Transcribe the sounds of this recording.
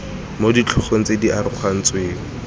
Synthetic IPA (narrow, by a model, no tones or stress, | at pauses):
modit͡ɬʰʊχen̩t͡sediaɾʊχan̩t͡sweːŋ̩